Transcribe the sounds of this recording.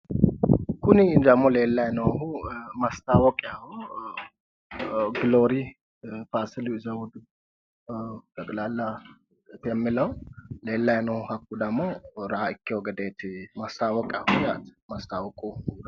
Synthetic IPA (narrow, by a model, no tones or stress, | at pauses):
kʰunid̪əmːolelːajnəwhumast̪ʰawɔkʼjahu | ɡɨloɾi | fasluzəwʊd̪ | t̪əkʼlalːa | t̪jɛmːiləwlelːajnəhakːud̪əɡmːo̞ɾahɨkʰːewɡəd̪et̪mast̪ʰawɔkʼjahujat̪mast̪ʰawɔkʼu